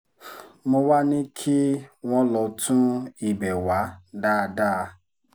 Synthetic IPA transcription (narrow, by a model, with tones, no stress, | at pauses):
mo˧wa˦nĩ˦kʰi˦w̃ɔ̃˦lɔ˧˦tʰũ˦i˦˨bɛ˨wa˨˦da˦˧daː˦˧˦